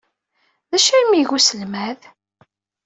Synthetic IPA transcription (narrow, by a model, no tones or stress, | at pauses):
ðæʃæimiʝusəlmæð